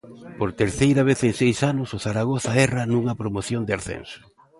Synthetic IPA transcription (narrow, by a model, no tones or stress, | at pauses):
poɾt̪eɾθejɾaβ̞eθeŋsejsanʊsʊθaɾaɣ̞oθaɛrɐnuŋɐpɾomoθjond̪ɪaɾθɛ̰nsʊ̥